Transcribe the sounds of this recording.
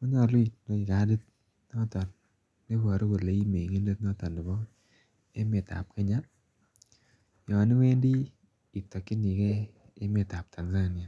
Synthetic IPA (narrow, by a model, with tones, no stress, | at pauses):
ɔ˦ɲɔ˨li˦˨no˦ɪ˨ka˨˦de˦t̪̚ | nɔ˦tɔ˨n | me˦pɔ˨ɾo˦ko˨le˨˦i˦me˨ŋe˦nde˦tnɔ˦tɔ˨nɪ˨bɔ˦ | e˦mɪ˨ta̰˨p̚kɛ˦ɲa˦ | jɔ˨nɪ˦we˦ndiː˦˨ | tɔ˨kːi˦ni˨kɛ˦ | ɪ˦mɪ˨ta˨p̚tʰa˨nza˦nɪ˨a˨